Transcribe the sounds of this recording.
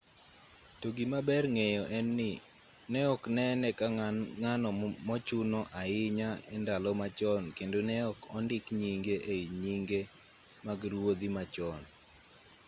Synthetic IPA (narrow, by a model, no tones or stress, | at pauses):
toɡimabɛrŋejɔʔɛnːɪ | nɛɔknɛnɛkaŋanɔmɔt͡ʃunɔʔaɪɲaɛndalɔmat͡ʃɔnkendonɛɔkɔndɪkɲiŋɡeʔeiɲiŋɡe | maɡɾwod̪imat͡ʃɔn